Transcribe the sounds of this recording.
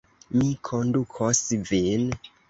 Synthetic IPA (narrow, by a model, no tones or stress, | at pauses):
mikʰondukʰosvin